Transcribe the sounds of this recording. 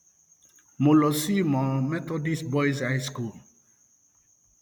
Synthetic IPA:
mo˨lɔ˨si˦mɔ̃˨mɛ˦t̪ɔ˦di˦sbɔ˦jsajsku˨l

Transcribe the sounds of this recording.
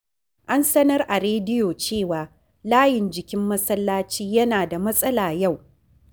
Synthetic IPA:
ʔa˦nsɐ˦nɐ˦rʔa˨ɾeː˦dɪ˦joː˨t͡ʃeː˦˨waː˨ | laː˦jɪ˨nd͡ʒɪ˨kʲɪ˦mːɐ˦sɐ˦lːaː˦t͡ʃiː˦jɐ˦naː˨da˨mɐ˦sʼɐ˦laː˨ja˦˨w

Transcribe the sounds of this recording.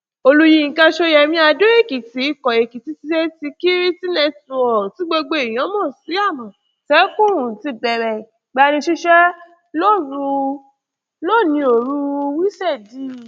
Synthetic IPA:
o˧lu˧ji˧˨ka˧ʃo˦˧jɛ˧mĩ˦a˧do˦e˦˨ki˨ti˨˦i˦˧kɔ˨e˨ki˨ti˨˦ti˧ʃɛ˦ti˧ki˦ɾi˦ti˦nɛ̃˦˧˨tũ˧˨ɔ˨ti˨˦ɡ͡bo˧ɡ͡bo˧i˨j̃ɔ̃˨˦mɔ̃ː˦˨si˨˦a˦˨mɔ̃˨ | tɛ˨˦kũ˦˨ũ˨ti˧˦bɛ˧˨ɾɛ˨ | ɡ͡ba˧nĩ˧ʃi˦ʃɛ˦ | lo˦˨ɾu˧ | lo˦˨nĩ˧o˨ɾu˦˧wi˦sɛ˦˨di˦

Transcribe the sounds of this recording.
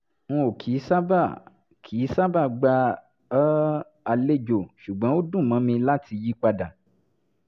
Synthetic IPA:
ŋũ˦o˨kʰi˨˦sa˦ba˦˨ | kʰi˨˦sa˦ba˦˨ɡ͡ba˧˦ | a˧le˦d͡ʒo˨ʃu˨ɡ͡bã˨˦wo˦dũ˦˨mã˨˦mĩ˧la˦tʰi˧ji˦k͡pa˧da˨

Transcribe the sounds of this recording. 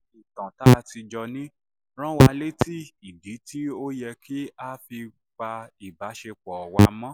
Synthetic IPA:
i˨tã˨ta˦˧ti˧d͡ʒɔ˧nĩ˦ | ɾ̃ã˦wa˧le˦ti˦i˨di˨˦tʰi˦o˦jɛ˧kʰi˦a˦fi˧ | k͡pa˧i˨ba˨˦ʃe˧k͡pɔ˨wa˧mã˦

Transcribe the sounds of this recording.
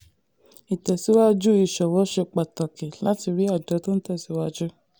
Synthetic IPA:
i˨tɛ˨si˨˦wa˦d͡ʒu˦i˧˨ʃɔ˨wɔ˨˦ʃe˧k͡pa˨ta˨ke˨la˦ti˧ɾi˦a˦˨dɔ˨˦to˦n̩˦tɛ˦˨si˨˦wa˦˧d͡ʒu˦

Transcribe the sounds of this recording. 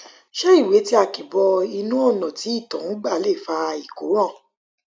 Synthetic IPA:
ʃɛ˦i˦˨we˨˦ti˦a˧˨ki˨bɔ˧i˧nũ˦o˦˨nã˨ti˨˦i˦˨tɔ̃˨ñ̩˦ɡ͡ba˦˨le˦˨fa˧i˨ko˨˦ɾ̃ã˦˨

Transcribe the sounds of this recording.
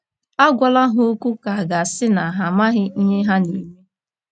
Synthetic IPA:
a˦ɡʷa˨la˦ɦʊ˦o˦kʷu˦ka˨a˨ɡa˨sɪ˦na˨ɦa˨ma˦ɦɪ˦ɲe˦ɦa˦ni˨ɾu˦

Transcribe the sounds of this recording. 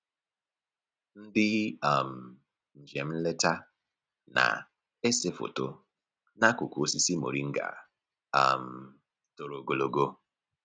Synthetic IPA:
n̩˦dɪ˦a˨m̩˨ | ɲ̩˨d͡ʒe˨m̩˦le˦ta˦ | na̰˨ | e˦se˦fo̰˨to˦ | na˦kʊ˨ko˨o˦si˦si˦mo̰˨ɾi˦ŋ̩˦ɡa̰˨ | a˨m̩˨ | to˨ɾo˨ɡo˨lo˨ɡo˦

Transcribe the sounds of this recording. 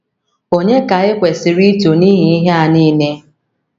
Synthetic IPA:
o˦ɲe˦ka˨ɪ˦kʷe˨sɪ˨ɾi˦to˨ni˦ɦi˦i˦ɦe˦a˨niː˦ne˦

